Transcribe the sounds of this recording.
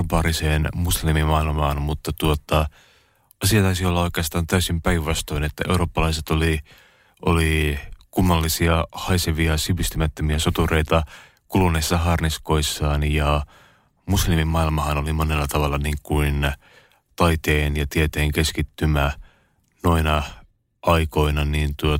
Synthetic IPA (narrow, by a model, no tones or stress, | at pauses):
pɑːɾiseːnmuslimimɑilmɑːnmut̪ːɑt̪uot̪ɑ | ɑsiɑt̪ɑysiolːɑoikˑeɑst̪ɑːnt̪æysimpæiʋʋɑst̪oinet̪ːæʔeuɾoːpːɑlɑiset̪oli | ʔolikumːɑlːisiɑhɑiseʋiɑsipist̪ymæt̪ːømiæsot̪ureit̪ɑ | kulunːesːɑɦɑrniskoisːɑːnjɑ | muslimimmɑilmɑhɑnolimonelːɑt̪ɑʋɑlːɑniŋkuin | t̪ɑit̪eːnjɑt̪iet̪eːŋkeskit̪ːymæ | noinɑ | ʔɑiko̞inɑniːnt̪uo